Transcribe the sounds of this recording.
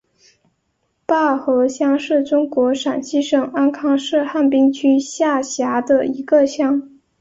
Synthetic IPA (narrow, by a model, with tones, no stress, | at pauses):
pa˥˩xɤ˧˥ɕjɑ˥ŋʂɻ̩˥˩ʈ͡ʂʊ˥ŋkwɔ˧˥ʂa˨˩nɕi˥˩ʂɤ˨˩ŋa˥nkʰɑ˥ŋʂɻ̩˥˧xa˥˩npi˥ŋt͡ɕʰy˥ɕja˥˩ɕja˧˥d̪ə˧i˧˥ɡə˧ɕjɑ˥ŋ